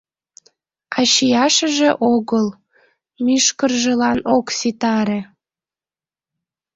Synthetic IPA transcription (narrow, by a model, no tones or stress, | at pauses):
ɑɕijɑʃəʒeʔoɣəl | myʃkərʒelɑnoksit̪ɑɾe